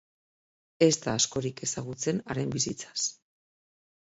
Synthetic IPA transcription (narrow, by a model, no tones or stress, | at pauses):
e̞zt̪aːsko̞ɾike̞saɣut͡se̞naɾe̞mbisit͡sḁs